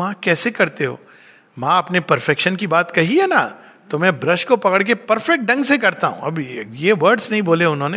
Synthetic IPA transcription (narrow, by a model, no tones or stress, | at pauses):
ãkɛːsekɐɾt̪eɦo̰ː | mãɐpnepɐɾfɛkʃənkibaːt̪kɐɦiɦɛna | t̪omɛ̃bɾɐʃkopɐkəɽk̬epɐɾfɛk̚ʈ̚ɖɐ̃ŋɡsekɐɾt̪aɦṵ̃ɐ̰bjeʋɐɾɖsnɐɦĩboːleʊnɦõːne